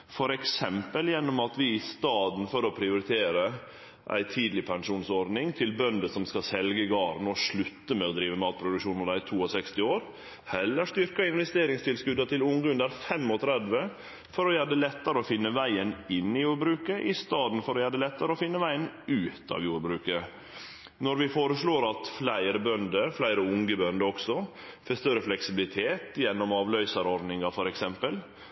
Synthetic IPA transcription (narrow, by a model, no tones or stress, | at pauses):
fɔɾɛksɛmpəljɛnːɔmɑt̪ʋɪɪst̪ɑːd̪n̩fɔɾɔpʰɾɪʊɾɪt̪ʰeːɾə | ʔæ̰ɪt̪ʰiːd̪lɪpʰɛŋʂuːnsɔɾnɪŋt̪ʰɪlbœnd̪əsɔmskɑsɛlɡəɡɑːɾnɔʂɭʉt̪ːəmɛɔd̪ɾiːʋəmɑːt̪̚pʰɾʊd̪ʉkʃuːnɔd̪æt̪ʰuːɔsɛkst̪ɪoːɾ | hɛlːəʂt̪ʏɾkəɪnʋɛst̪eːɾɪŋst̪ʰɪlskʉd̪ət̪ʰɪlʊŋɡʉnd̪ɑɾfɛmːɔt̪ʰɾɛd̪ʋə | fɔɾɔjæːɖ̪əlɛt̪ːəɾəɔfɪnːəʋæɪənɪnːɪjuːɾbɾʉːkəʔɪst̪ɑːd̪nfɔɾɔjæːɖəlɛt̪ːəɾəɔfɪnːəʋæɪənʉːt̪ɑ̰ʋjuːɾbɾʉːkə | nɔɾʋɪfoːɾəsɭoːɾɑt̪flæɪɾəbœnd̪əflæɪɾəʊŋɡəbœnd̪əɔksɔ | fest̪œɾəflɛksɪbɪlɪt̪ʰeːt̪jɛnːɔmɑːʋlœʏsəɾɔɾnɪŋɑfɔɾɛksɛmpəl